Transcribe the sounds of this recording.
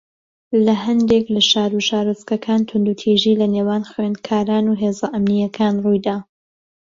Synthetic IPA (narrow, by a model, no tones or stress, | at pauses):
lɐɦɐnd̪eklɐʃaːɾuʃaːɾuskɐkʰaːnt̪ʰʊnd̪ut̪ʰiʒiːlɐneːwaːnxwend̪̚kʰaːɾaːnuːɦeːzɐʔɐmnijɐkʰaːnrujd̪aː